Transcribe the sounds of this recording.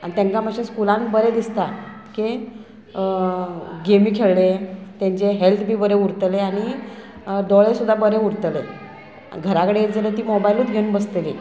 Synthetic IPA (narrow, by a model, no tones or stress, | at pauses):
añit̪ãŋkaməɕẽskulãnbəɾed̪ist̪a | ke | ɡemiːkʰeɭɭet̪ẽɲt͡ɕeɦelt̪ʰbʱiːbəɾeuɾt̪leaɽ̃i | d̪ɔɭesud̪ʱːabəɾeuɾt̪le | ɡʱəɾakəɽeed͡zələt̪iːmɔbajluːt̪ɡʱeũnbəst̪eli